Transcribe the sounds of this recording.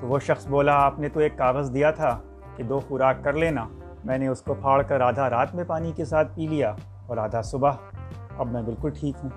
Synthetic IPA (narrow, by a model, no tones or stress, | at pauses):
t̪oʋoʃɐxsboːlaaːpnet̪oeːkːaːɣəzd̪ijat̪ʰa | ked̪oːxʊɾaːkːɐɾleːna | mɛ̃ːneʊskopʰaːɭkɐɾːaːd̪ʱaɾaːt̪mẽpaːnikesaːt̪̚ʰpiːlija | ɔːɾaːd̪ʱasʊbaɦɐbmɛ̃bɪlkʊlʈʰiːkɦũː